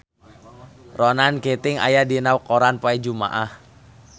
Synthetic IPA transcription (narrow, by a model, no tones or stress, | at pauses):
rɔnanket̪ɪŋa̰jadinawkoɾanpaɛd͡ʒuma̰ʔah